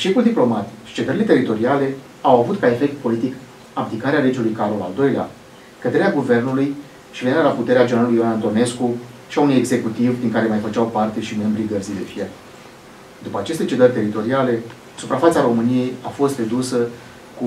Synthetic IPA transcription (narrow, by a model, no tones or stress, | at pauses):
ʃe̞fuld̪iplo̞mat̪i̥ʃi̥t͡ʃe̞d̪əɾile̞t̪e̞ɾit̪o̞ɾiale̞ | awavut̪kae̞fe̞k̚t̪̚po̞lit̪ik | aplikaɾeale̞d͡ʒulujkaɾola̰ld̪o̞jlea̰ | kəd̪eɾeaɡuve̞rnuluj | ʃiveniɾelaput̪e̞ɾead͡ʒenɾalulujoanant̪o̞ne̞sku | ʃiaunuje̞ɡze̞kut̪ivd̪iŋkaɾe̞majfət͡ʃawpart̪e̞ʃime̞mbɾiɡərzid̪e̞̰fiel | d̪upəat͡ʃe̞st̪e̞t͡ʃe̞d̪ərʲt̪e̞ɾit̪o̞ɾiale̞ | supɾafat̪saɾo̞mɨnije̞jafo̞st̪re̞d̪usə | ku